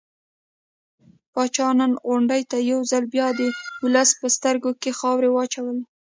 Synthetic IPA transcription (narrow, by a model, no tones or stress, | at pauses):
pɑt͡ʃɑnanɣʊɳɖəjt̪ajawzalbjɑd̪əʊləspəst̪əɾɡokexɑwɾewɑt͡ʃawəl